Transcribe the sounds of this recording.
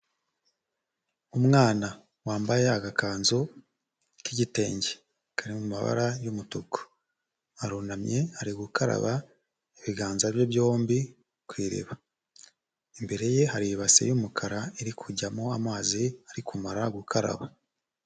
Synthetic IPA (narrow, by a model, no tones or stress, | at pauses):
umŋaːna | waːmbaje̞aɡakaːnzo | kiɟite̞ːɲɟe | kʰaɾimuma̰βa̰ɾajumutoko̥ | aɾunamɲehaɾiɡukʰaɾa̰βa | eβiɡaːnzaβjoβjo̞ːmbi | kwiːɾḛβa | embe̞ɾe̞je̞haɾijiβasḛjumukʰaɾaeɾikʰuɟamoamaːziaɾikumaɾaɡukʰaɾa̰βa